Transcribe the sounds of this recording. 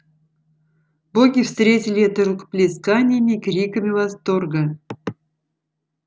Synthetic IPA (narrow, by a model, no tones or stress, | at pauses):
boɡʲifst̪ɾʲetʲɪlʲɪɛt̪ərukplʲiskanʲɪjmʲikrʲikəmʲɪvast̪orɡə